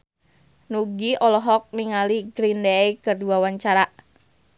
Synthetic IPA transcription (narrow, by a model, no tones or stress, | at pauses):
nuɡiɔlɔɦɔk̚niŋaliɡɾindɛjkərduawaɲt͡ʃaɾaʔ